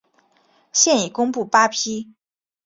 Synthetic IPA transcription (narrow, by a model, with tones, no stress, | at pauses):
ɕjɛ˥˩ni˨˩kʊ˥ŋpu˥˩pa˥pʰi˥